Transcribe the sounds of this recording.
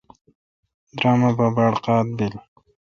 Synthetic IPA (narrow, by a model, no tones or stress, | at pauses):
d̪ɾɑːmababaɽqɑːt̪̚bɪl